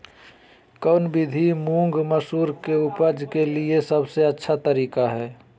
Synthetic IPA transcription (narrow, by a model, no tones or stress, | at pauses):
kɔːnbɪd̪ʱimũːŋɡməsuːɾkeʊpəd͡ʒkeliesɐbseɐtːʃʰat̪əɾiːkaɦɛː